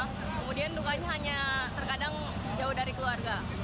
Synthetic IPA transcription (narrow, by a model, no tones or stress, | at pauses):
kəmudiant̪ukad͡ʒaɦaɲat̪ərkadaŋ | d͡ʒaʊhdaɾikəluarɡa